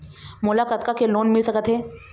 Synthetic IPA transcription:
mʊlakət̪̚kakeloːnmɪlsɐkət̪ɦeː

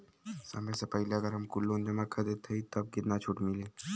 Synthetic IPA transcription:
sa̰məsapəilaɡəɾəmkulːond͡ʑemakʰəd̪et̪ʰːəit̪əb̚ɡit̪nat͡ɕʰuʈmile

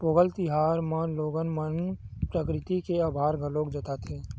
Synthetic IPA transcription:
poːɡəlt̪ɪɦaːɾmanloːɡənmənpɾəkɾɪt̪ikeaːbʱaːɾɡəloːkd͡ʒət̪at̪ʰeː

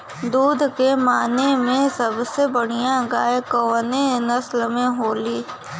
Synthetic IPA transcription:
d̪uːd̪ʱkemaːnemẽsɐbsebəɽ̤ijãɡaːekəːnenəslmẽɦoːliː

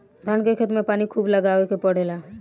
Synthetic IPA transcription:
d̪ʱənkekʰet̪mẽpaːnikʰuːbləɡaːʋekepəɽ̤eːlaː

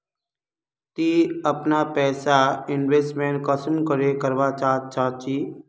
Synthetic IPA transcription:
t̪iːəpnapɛːsaɪnʋeːsʈmẽːn̚kəsəmkəɾekəɾʋat͡ʃaːt͡ʃʰaːt͡ʃiː

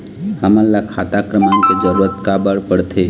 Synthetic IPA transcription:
həmənlakʰat̪akɾəmanked͡ʒəɾuːɾət̪kabəɽpəɽt̪ʰe

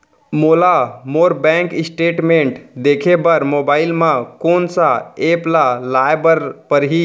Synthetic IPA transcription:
molamoːɾbɛ̃ːŋkɪsʈeːʈmẽɳʈd̪eːkʰebəɾmoːbaːɪlmãkoːnsaeːplalaːjbəɾpəɾɦiː

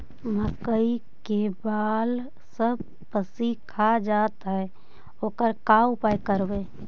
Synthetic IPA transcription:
məkəi | kebaːl | səb | pəsikʰad͡ʒaːt̪ɦɛ | oːkəɾkaːwpajkəɾbẽː

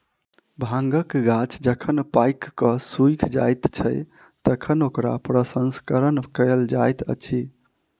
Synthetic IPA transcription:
bʱãŋɡəkɡat͡ʃd͡ʒəkʰənpajkːəsujkʰd͡ʒa̰jt̪t͡ʃʰəj | t̪əkʰənokɾa̰pɾəsənskəɾənkəld͡ʒajt̪ʰə̰t͡ʃʰi

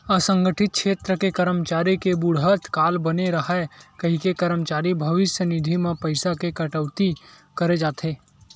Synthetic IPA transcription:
əsə̃ŋɡəʈʰɪt̪̚kʃʰeːt̪ɾəkekəɾəmt͡ʃaːɾikebʊɽɦət̪kaːlbəneɾɐɦakɐɦikekɐɾəmt͡ʃaːɾibʱɐʋɪsjənɪd̪ʱimãpəɪsakekɐʈəʋt̪i | kəɾed͡ʒaːt̪ʰeː

